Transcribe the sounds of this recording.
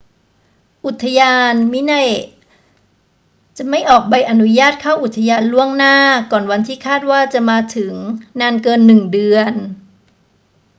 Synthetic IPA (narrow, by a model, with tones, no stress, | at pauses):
ʔu˨˩t̪ʰːa˧jaː˧nmi˦˥na˥˩j | t͡ɕa˨˩ma˥˩jʔɔː˨˩k̚ba˧jʔa˧nu˦˥jaː˥˩t̪̚kʰaː˥˩wʔu˨˩t̪ʰːa˧jaː˧nlu˥˩əŋnaː˥˩kɔː˨˩nwa˧nt̪ʰiː˥˩kʰaː˥˩t̪̚waː˥˩t͡ɕa˨˩ʔmaː˧t̪ʰɯ˩˦ŋnaː˧nkɤː˧nːɯ˨˩ŋdɯ˧ən